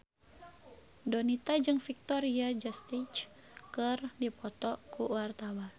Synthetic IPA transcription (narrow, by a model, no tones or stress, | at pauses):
dɔnit̪ad͡ʒɨŋfik̚t̪ɔɾiad͡ʒast̪it͡ʃ | kərdipɔt̪ɔkuwart̪awa